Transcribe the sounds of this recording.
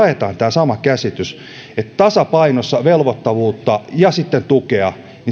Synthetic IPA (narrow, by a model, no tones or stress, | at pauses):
et̪ɑːnt̪æːsɑmɑkæsit̪ys | et̪t̪ɑsɑpɑinosːɑʋelʋot̪ːɑʋuːt̪ːɑjɑsit̪ːent̪ukeɑ | ni